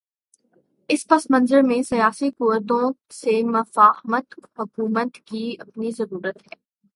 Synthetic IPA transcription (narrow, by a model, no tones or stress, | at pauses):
ɪspɐsmɐ̃nzəɾmẽsɐjaːsikʊʋəɾd̪õsemɐfaːhmət̪mɐkuːmət̪kiɐpnizɐɾuːɾət̪ɦɛː